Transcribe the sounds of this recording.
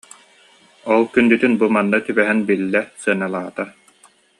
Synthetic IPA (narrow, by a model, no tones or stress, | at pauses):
ɔlˠkynd̪yt̪ynbumanːat̪ybɛɦɛnbilːɛsɯɐnalˠaːt̪a